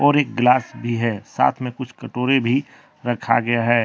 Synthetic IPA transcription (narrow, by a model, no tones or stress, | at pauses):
ɔːɾeːk̚ɡlaːsbʱiɦɛːsa̰ːt̪ʰmẽkʊt͡ʃʰkɐʈoːɾebʱi | ɾɐkʰa̰ɡɐjaɦɛː